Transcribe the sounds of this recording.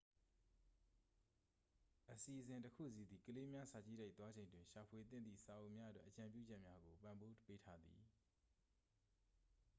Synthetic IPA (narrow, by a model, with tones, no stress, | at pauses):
ʔəsi˨ʔəzɪ̃˨ntəkʰṵ˦˨si˦˨d̪i˨kəle˦mja˦sa˨t͡ɕḭ˦˨da˦ɪʔt̪wa˦d͡ʑẽ˨ɪ̃ndwɪ̃˨ʃa˨pʰwe˨t̪̬ɪ̃˦˨nd̪ðḭ˦˨sa˨ʔõ˨mja˦ʔə˦twɛ̰˦ʔət͡ɕã˨mpjṵ˦˨d͡ʑɛ˦ʔmja˦ɡo˨pã˨mbo˦pe˦tʰa˦d̪ðḭ˨